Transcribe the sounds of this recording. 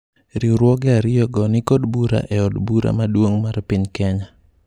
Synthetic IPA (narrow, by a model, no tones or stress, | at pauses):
ɾiuɾwɔɡɛaɾɪjɔɡɔnɪkodbuɾa̰ʔɛɔdbuɾa̰madwoŋmarpɪɲkɛɲa